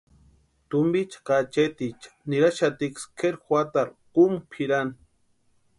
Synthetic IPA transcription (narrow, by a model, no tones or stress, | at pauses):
t̪ʊmbit͡ʃqɑt͡ʃet̪it͡ʃniɾaʃat̪ikskʰeɾxwat̪aɾqumpʰiɾan